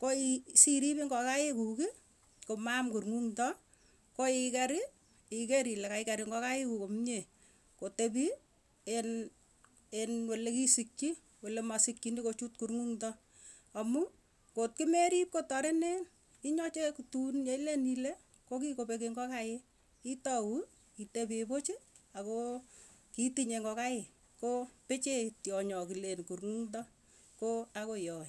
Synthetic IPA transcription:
koisiɾipiŋɡɔkajekuki | komamkuɾŋuŋtɔ | koikaɾi | ikeɾilekaikaɾiŋɡɔkajekukomɲe | kotebi | en | enwolekisikt͡ʃi | wolemasikːinikot͡ʃutkuɾŋuŋtɔ | ɔmu | kot̚kimeɾip̚kotɔɾɛnɛn | iɲɔt͡ʃekutunjeilenile | kok̬ikopek̬eŋɡɔkae | itɔwu | kitepepot͡ʃiakokitiɲeŋɡɔkajɪ | kopet͡ʃetjɔɲɔkilenkuɾŋuŋtɔ | koakojɔːɪ

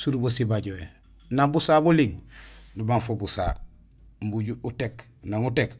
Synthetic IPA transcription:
suɾubosibaɟoe | nambusaːbuliŋnubaŋfobusa̰ | m̩buɟuuteknaŋutek

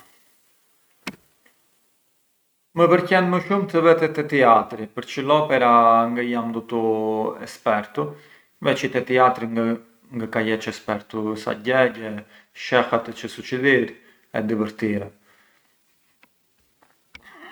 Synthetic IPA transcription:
məpəɾcɛnməʃumt̪əvɛt̪ɛt̪ɛt̪iat̪ɾipəɾt͡ʃəlɔpɛɾaŋɡəjamd̪ɔt̪uɛ̰spɛɾt̪u | vɛt͡ʃit̪ɛt̪iat̪ɾi | ŋɡəkajɛt͡ʃɛspɛɾt̪usa̰ɟɛɟɛ | ʃɛxat̪ət͡ʃəsut͡ʃid̪iɾ | ɛ̰d̪ivəɾt̪iɾɛ

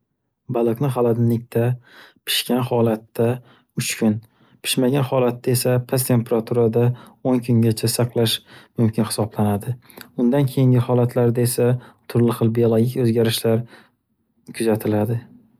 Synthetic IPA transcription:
balˠɨqnɪχalad̪ɪnlɪk̚ʲt̪ʰapʰɪ̥ʃkʲanhɒlat̪ːa | ʊt͡ʃkʲʰʊn | pʰɪ̥ʃmaɡʲanχɒlat̪ːae̞sapʰast̪ʰe̞mpʰeɾat̪ʰuɾad̪aoŋkʰʊŋɡʲat͡ʃʰasɑqlˠaʃmʊmkʲʰɪnhɪ̥sɒblanad̪ɪʊnd̪ankʲʰejɪŋɡʲɪhɒlat̪ʰlaɾd̪ae̞sat̪ʰʊɾlɪχɨlˠbijolˠoɡʲɪkʲɵzɡʲaɾɪʃlaɾ | kʰʊzat̪ʰɪlad̪ɪ

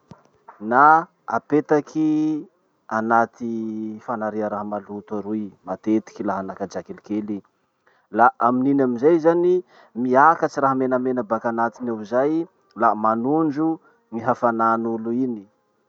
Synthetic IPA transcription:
na | a̰pet̪akʰi | anat̪ifanaɾeaɾaɦmalut̪aɾujmat̪et̪i̥kilaɦanakad͡ʒakelikeli | laʔamininamizajzani | miakat͡ʃiɾaɦamenamenabakanat̪inewizaj | lamanund͡ʒu | ŋiɦafananuluini

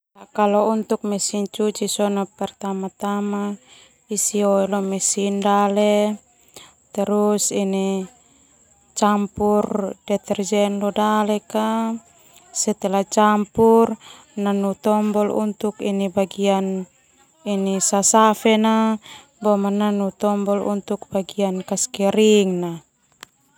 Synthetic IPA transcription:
lakalɔunt̪uk̚mɛsint͡ʃut͡ʃisɔnapɛrt̪amat̪ama | isiɔɛlɔmɛsindalɛ | t̪ɛɾusini | t͡ʃampurd̥ɛt̪ɛrd͡ʒɛnlɔdalɛka | sɛt̪ɛlat͡ʃampur | nanut̪ɔmbɔlṵnt̪ukinibaɡian | inisasafɛna | bɔmanːanut̪ɔmbɔlṵnt̪uk̚baɡiankaskɛɾiŋna

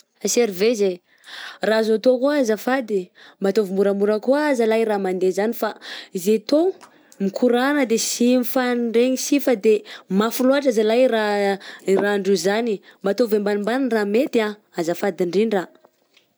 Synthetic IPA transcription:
aseɾiveze | razat̪okuazafad̪imbat̪ovimuɾamuɾəkuaazalajɾamand̪ezanifaizet̪o | mikʰuɾanəd̪esimfanɳɖ͡ʐeŋisifəd̪emafuluaʈ͡ʂazalajɾa | raɳɖ͡ʐuzanimbat̪ovembanimbaninramet̪ia | azafad̪iɳɖ͡ʐiɳɖ͡ʐa

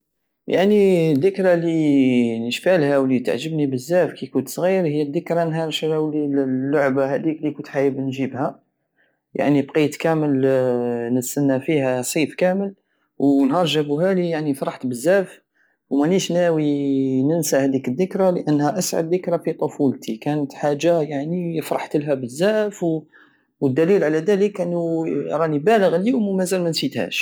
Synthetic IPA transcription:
ja̰ʕnid̪ːəkɾalinəʃfalhæwlit̪a̰ʕʒəbnibəzːæfkikʊnt̪sˤɣiɾhəjːæd̪ːəkɾɑnɦɑɾʃlæwlilːʊʕbahæd̪iklikʊnt̪ħajəbnʒibhæ | ja̰ʕnibqit̪kæməl | nət̪sænːæfihæsˤifkæməl | wnhɑʒːəbuɦælijaʕnifɾˤɑħt̪bəzːæʔf | wmæliʃnæwinənsæhæd̪ikəðːəkɾaləʔənːhæʔæsʕa̰d̪ːəkɾæfit̪ˤofult̪ʰikænət̪ħaʒːajaʕniəfɾˤɑħt̪əlɦæbəzːæʔfw | wəd̪ːælilʕalæd̪æləkʔənːuɾˤɑnibæləɣəljʊmmæzælmænsit̪hæ̰ʃ

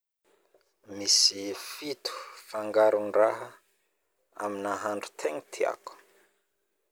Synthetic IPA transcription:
misifit̪u̥faŋɡaɾunraɦə | a̰minaɦaɳɖ͡ʐut̪ʰeŋit̪ʰia̰ku̥

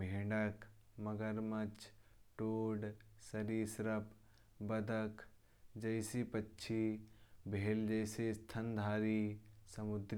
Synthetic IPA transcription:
meɦɖəkmɐɡəɾmət͡ʃʈoːɖsɐɾiːsɾəp | bɐd̪ʱəkʰ | d͡ʒɐɪsipətːʃʰibʱeːld͡ʒəɪsest̪ʰənd̪ʱaːɾisɐmʊd̪ɾ

